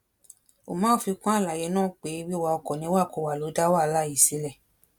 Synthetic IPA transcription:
o˨mãː˨˦fi˧kã˦a˦˨la˨je˨˧˦nãː˦˨k͡pe˨˦wi˦˨wa˧ɔ˧kɔ˨nĩ˧˦wa˦˨ko˧˦˨wa˨lo˨˦da˦wa˦˨˧la˦˨i˨si˨˦lɛ˦˨

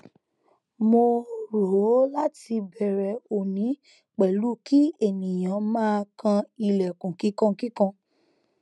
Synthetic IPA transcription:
mo˧ɾo˨o˨˦la˦ti˧bɛ˨ɾɛ˨o˨nĩ˨˦ | k͡pɛ˨lu˦ki˦e˦˨nĩ˨j̃ã˨˦mãː˦kʰã˧i˧˨lɛ˨kũ˨ki˨˦kã˦ki˦kã˧

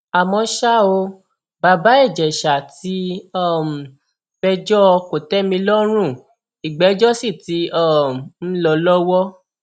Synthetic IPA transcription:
a˨mɔ̃˧ʃa˦o˧ | ba˧ba˨˦ɛ˦˨d͡ʒɛ˨ʃa˨ti˧˦ɔ˦˨m̩˨ | b̥ɛ˧d͡ʒɔ˦˧ko˨tɛ˦mĩ˧lɔ˦ɾ̃ũ˦˨ | i˨ɡ͡bɛ˨˦d͡ʒɔ˦si˦˨ti˨˧˦ɔ˦˨n̩˦lɔ˧lɔ˦wɔ˦

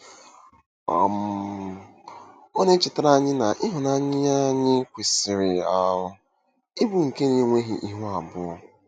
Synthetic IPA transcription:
ɔ̰˨m˦ | ɔ˦ne˦t͡ʃɪ˨ta˦ɾa˦ɲɪ˦na˨ʔɪ˦ɦʊ˨na˦ɲɪ˦a˦ɲɪ˦kʷi˨sɪ˨ɾɪ˨a˦ʊ˦ | ɪ˦bu˨ŋ̩˨ke˦ni˨ŋʷe˦ɦḭ˨ʔi˦ɦʊ˦a˨bʊ˦ɔ˨

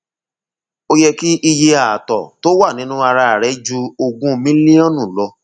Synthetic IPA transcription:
o˧jɛ˧ki˦ʔi˧je˧a˨a˨tɔ˨to˦wa˦˨nĩ˨˦nũ˦a˧ɾa˧a˨ɾɛ˨˦d͡ʒu˦o˧ɡũ˦˧mĩ˦li˦ɔ̃˦nũ˦˨lɔ˧

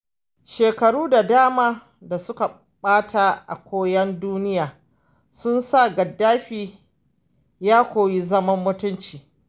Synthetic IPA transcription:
ʃeː˨kɐ˨ɽuː˦da˨daː˦maː˦ | da˨sʊ˦ka˨ | ɓaː˦tʰa˨ʔa̰˨kʷoː˦jɐ˦nduː˦nɪ˦jaː˨ | sʊ˦nsa˦˨ɡɐ˨dːaː˦ɸiː˦ | jaː˦kʷoː˨ji˦zɐ˦mɐ˦mːʊ˦tʊ˦nt͡ʃiː˨

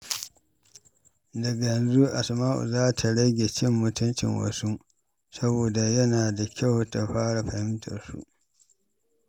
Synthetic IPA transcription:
dɐ˨ɡa˨jɛ˨nzu˦ʔa̰˨smaː˦ʔṵ˨zaː˦tʰa˨ɽɐ˦ɡʲe˨t͡ʃɪ˦mːʊ˦tʊ˦nt͡ʃɪ̰˨ŋwɐ̰˨su˦ | sɐ˦boː˨da˨jɐ˦naː˨da˨kʲa˦˨wta˨ɸaː˦ɽa˨ɸɐ˨hɪ˦mtʰɐ̰˨rsṵ˦ʔ

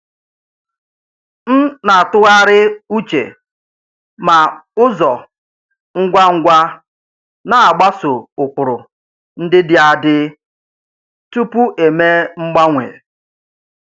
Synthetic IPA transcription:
n̩˦na˨tʊ˦ɣa˦ɾɪ˦u˦t͡ʃḛ˨ | ma˨ʊ˦zɔ˨ | ŋ̩˦ɡʷa˦ŋ̩˦ɡʷa˦ | na˨a˨ɡ͡ba˦sʊ˨ʊ˨kʷʊ˨ɾʊ˨ | n̩˦dɪ˦dɪ˦a˨dɪ˦ | tu˦pu˦ʔe˨me˦ŋ͡m̩˦ɡ͡ba˦ŋʷḛ˨

